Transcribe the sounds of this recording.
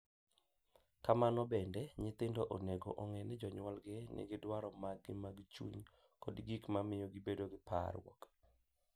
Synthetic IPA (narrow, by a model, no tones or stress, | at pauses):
kamanɔbɛndɛɲɪt̪ɪndoʔoneɡoʔoŋɛnɛd͡ʒɔɲwalɡɪnɪ̰ɡɪdwaɾɔmaɡːɪmaɡt͡ʃṵɲ | kɔdɡikmamɪjɔɡɪbedoɡɪpa̰ɾwɔ̰k